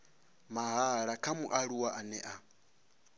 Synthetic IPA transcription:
maɦaɺakʰamuʔaɺuwaʔanɛʔa

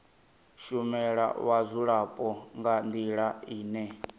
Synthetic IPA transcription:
ʃumɛɺa̰wazʷuɺapʼɔŋɡandiɺaiːnɛ

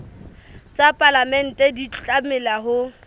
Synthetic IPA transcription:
t͡sʼapʼalamɛn̩tʼɛdit͡ɬʼamɪlaɦʊ

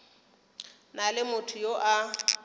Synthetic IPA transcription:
nalɪmʊtʰʊjoʔa

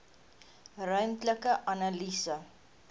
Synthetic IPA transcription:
rœɥmtləkəʔɐnalisə

